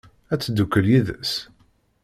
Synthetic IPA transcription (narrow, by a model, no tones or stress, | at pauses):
æt͡sːd̪ːukːəljiðə̰s